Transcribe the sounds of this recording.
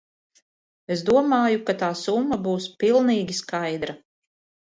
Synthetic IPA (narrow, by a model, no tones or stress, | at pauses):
esd̪uɔmaːjukat̪aːsumːabuːspilˠniːɡʲiskajd̪ɾa